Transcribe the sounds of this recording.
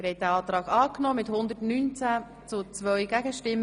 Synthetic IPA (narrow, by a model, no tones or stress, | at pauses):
ɾhɛt̚dæɑːt̪ɾɑːɡɑːknɔːmɪthʊnd̪ətnyːnt͡sæ | t͡sʊt͡sʋœɥɡæɡəʃtɪm